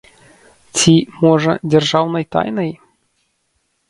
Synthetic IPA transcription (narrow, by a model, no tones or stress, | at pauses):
t͡sʲimɔʐə̰dʲɛrʐawnɐjt̪a̰jnɐj